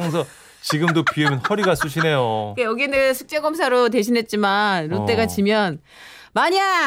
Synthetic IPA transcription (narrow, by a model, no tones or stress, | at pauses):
ŋsʰʌ | t͡ɕiɡɯmdopiemjʌnɸʌɾiɡas͈uɕ̬ʰine̞jokejʌɡienesʰuk̚t͡ɕ͈eɡʌms̬ʰaɾote̞ɕʰinɦe̞t̚t͡ɕ͈imanɾot͈e̞ɡat͡ɕimjʌn | maɲa